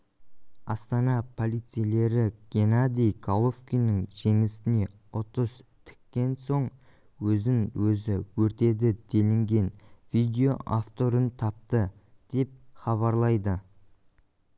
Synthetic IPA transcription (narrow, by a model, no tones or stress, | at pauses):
ɑst̪ɑnɑpʰo̞lˠijt̪sɨjle̞ɾɪɡ̥ʲe̞nad̪ʲijkʰalˠofkʲijnɪŋʒe̞ŋɪst̪ɪne̞ | ʊt̪əst̪ʰɪ̥kʲːe̞nso̞ɴ | wɵzɪŋwɵzɪwɵɾt̪e̞d̪ɪd̪̥elɪŋɡʲe̞nvijd̪ʲe̞o̞ʔaft̪o̞ɾənt̪ʰɑp̚t̪əd̪̥e̞p̚χɑβɑɾlˠɑjd̪ə